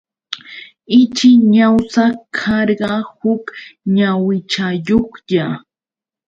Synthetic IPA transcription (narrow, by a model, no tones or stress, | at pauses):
ɪt͡ʃɪɲawsakʰɑɾɢɑhʊkɲawɪt͡ʃajoχʎa